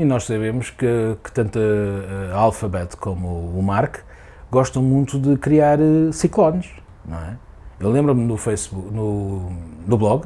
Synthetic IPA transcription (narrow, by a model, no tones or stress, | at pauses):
inɔʃsɐβemuʃkɨɐkɨ̥t̪ɐ̃nt̪ɐ | alˠfɐβɛt̪kʰomuːmaɾk | ɡɔʃt̪ɐ̃w̃mũt̪uðɨkɾiaɾsiklˠɔnʃ | nɐ̰̃w̃ɛ | ewlˠẽmbɾɐmnufɐjsβunu | nuβlˠɔɣ